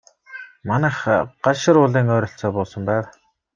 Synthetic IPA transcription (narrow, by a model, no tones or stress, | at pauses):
manæːχɢ̥aʃɪ̆ɾʊːɮiːŋœːɾʲɞ̆ɬt͡sɔːpʊːsə̆mpæːw